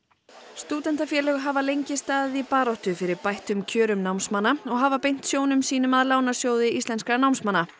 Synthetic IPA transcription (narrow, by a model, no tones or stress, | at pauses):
st̪uːt̪ɛnt̪afjɛːlɛɣɦavalejɲcɪst̪aːðɪðipaːɾɔht̪ʏfɪɾɪɾpajht̪ʏmcʰœːɾʏmnawmsmanːaɔɣɦavapejn̥t̪sjoːwnʏmsiːnʏmaðlaːwnasjoːwðɪist̪lɛnskɾanawmsmanːa